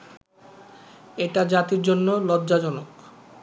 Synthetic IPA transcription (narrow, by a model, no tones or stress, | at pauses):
eʈad͡ʑat̪iɾd͡ʑonːolɔd̪d͡ʑad͡ʑɔnok